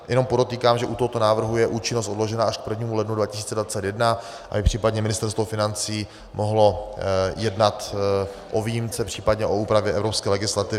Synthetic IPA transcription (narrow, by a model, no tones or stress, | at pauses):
jʔɛno̞mpodot̪iːkaːmʒɛʔut̪oɦot̪o̞naːvr̩ɦujɛʔuːt͡ʃɪnost̪odlo̞ʒɛnaʔaʃk̚pr̩vɲiːmulɛdnudvacɪ̥siːt͡sɛdvat͡sɛt̪jɛdna | ʔa̰bɪpr̝̥iːpadɲɛmɪnɪst̪ɛɾst̪vofɪnant͡siː | moɦlo̞jɛdnat̪ | ʔoviːjimt͡sɛpr̝̥iːpadɲɛʔo̞uːpɾavjɛʔɛvɾo̞pskɛːlɛɡɪslat̪ɪvɪ